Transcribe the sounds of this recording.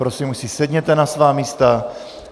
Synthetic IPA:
pɾosimusisɛd̪ɲɛt̪ɛnasvaːmiːst̪a

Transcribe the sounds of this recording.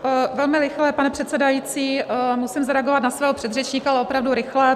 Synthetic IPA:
vɛlmɪɾɪxlɛpanɛpr̥ɛt̪sɛdajiːt͡siːmusɪmzaɾɛaɡovat̪nasvɛːɦopr̥ɛd̪rɛt͡ʃɲiːkaalɛopɾavduɾɪxlɛ

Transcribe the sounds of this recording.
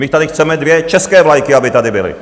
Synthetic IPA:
mɪt̪adɪxt͡sɛmɛdvjɛt͡ʃɛskɛːvlajkɪabɪt̪adɪbɪlɪ̰

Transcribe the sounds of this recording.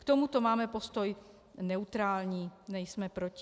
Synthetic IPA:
kt̪omut̪o̞maːmɛpo̞st̪oj | nɛut̪ɾaːlɲiːnɛjsmɛpɾoc

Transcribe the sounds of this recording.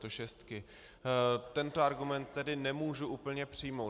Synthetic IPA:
t̪oʃɛst̪kɪ | t̪ɛnt̪oaɾɡumɛnt̪ːɛdɪnɛmuːʒuʔuːpl̩ɲɛpr̝̥ɪjmow

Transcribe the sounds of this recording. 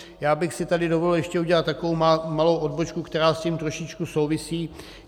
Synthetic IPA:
jaːbɪxsɪt̪adɪdovodl̩jɛʃcɛuɟɛlat̪ːakovowmalowʔod̚bot͡ʃkukt̪ɛɾaːsciːmt̪ɾo̞ʃɪt͡ʃkuso̞wvɪsiː

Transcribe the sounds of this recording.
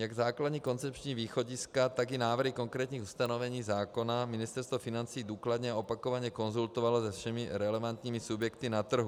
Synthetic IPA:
jaɡzaːklad̪ɲiːkont͡sɛpt͡ʃɲiːviːxoɟiskat̪aɡinaːvr̩ɦikoŋkɾɛːt̪ɲiːxust̪anovɛɲiːzaːkonaminist̪ɛɾst̪vofinant͡sijːd̪uːklad̪ɲɛaopakovaɲɛkonzult̪ovalozɛfʃɛmiɾɛlɛvant̪ɲiːmisubjɛkt̪inat̪r̩ɦu

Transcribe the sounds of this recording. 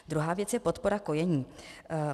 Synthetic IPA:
d̪ɾuɦaːvjɛt͡sjɛpo̞t̪po̞ɾako̞jɛɲiː

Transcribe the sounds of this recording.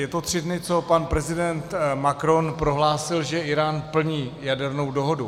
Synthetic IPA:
jɛt̪o̞t̪r̝̥ɪdnɪt͡so̞panpɾɛzɪdɛnt̪makɾo̞npɾo̞ɦlaːsɪlʒɛʔɪɾaːnpl̩ɲiːjadɛɾno̞wdo̞ɦo̞du

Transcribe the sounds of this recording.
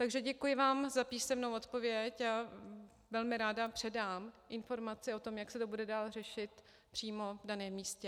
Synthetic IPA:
t̪aɡʒɛɟɛkujɪvaːmzapiːsɛmnowo̞t̪po̞vjɛca | vɛlmɪɾaːdapr̝̥ɛdaːmʔɪnfo̞ɾmat͡sɪo̞t̪o̞mjaksɛt̪o̞budɛdaːlr̝ɛʃɪt̪ | pr̥iːmo̞vdanɛːmːiːscɛ

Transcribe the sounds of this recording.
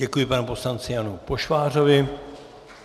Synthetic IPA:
ɛkujɪpanɛpo̞slant͡sɪjanupo̞ʃvaːr̝o̞vɪ

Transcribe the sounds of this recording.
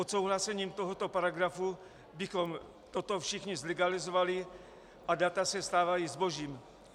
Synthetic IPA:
ot̪sowɦlasɛɲiːmt̪oɦot̪opaɾaɡɾafu | bɪxom | t̪ot̪o̞fʃɪxɲɪzlɛɡalɪzovalɪ | ʔadat̪asɛst̪aːvajizbo̞ʒiːm

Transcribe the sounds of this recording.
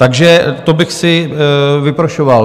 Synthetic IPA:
t̪aɡʒɛt̪obɪxsɪvɪpɾoʃoval

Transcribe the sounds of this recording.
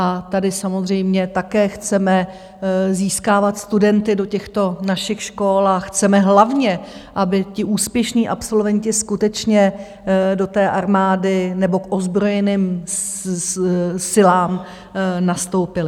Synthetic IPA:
ʔat̪adɪsamo̞zr̝ɛjmɲɛt̪akɛːxt͡sɛmɛ | ziːskaːvat̪st̪udɛnt̪ɪdo̞cɛxt̪o̞naʃɪxʃko̞laxt͡sɛmɛɦlavɲɛʔabɪcɪʔuːspjɛʃniːʔa̰pso̞lvɛɲcɪskut̪ɛt͡ʃɲɛ | do̞t̪ɛːʔaɾmaːdɪnɛbo̞kʔo̞zbɾo̞jɛniːm | sɪlaːm | nast̪o̞wpɪlɪ

